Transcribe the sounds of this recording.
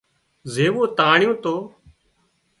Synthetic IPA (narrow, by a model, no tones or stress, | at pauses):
zeːʋoːt̪aːɳɪjõːt̪oː